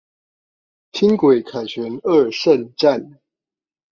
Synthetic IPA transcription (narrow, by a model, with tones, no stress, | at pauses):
t̪ʰi˦˥ŋkwe˨˩ɪkʰa˨˩nɕɥɛ˧˦nə˥˧˨ʂə˥˧˨nʈ͡ʂa˥˨n